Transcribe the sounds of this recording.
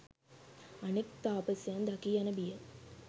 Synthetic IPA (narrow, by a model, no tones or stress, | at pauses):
ɐnek̚t̪aːpəsjand̪ɐkianəbijə